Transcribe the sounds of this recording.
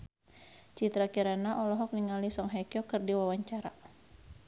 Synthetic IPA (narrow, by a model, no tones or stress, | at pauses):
t͡ʃit̪ɾakiɾanaʔɔlɔɦɔk̚niŋalisɔŋɦɛkjɔkɨrdiwawaɲt͡ʃaɾa